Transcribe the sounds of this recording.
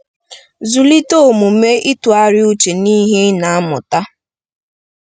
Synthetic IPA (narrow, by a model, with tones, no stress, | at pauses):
zu˨li˦to˦˨mu˨me˦ʔi˦tu˨a˦ɾɪ˦u˦t͡ʃe˨niː˦ɦe˦na˨a˦mʊ̰˨ta˦